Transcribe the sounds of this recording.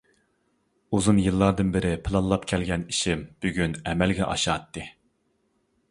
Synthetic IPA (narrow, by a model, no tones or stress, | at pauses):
uzunjɨlˠːɑɾd̪ɨnbɪɾɪpʰɨlˠɑnlˠɑpkʲʰɛlɡʲɛniʃimb̥yɡʲynɛmɛlɡʲɛ̰ʔɑ̰ʃɑːt̪ːɨ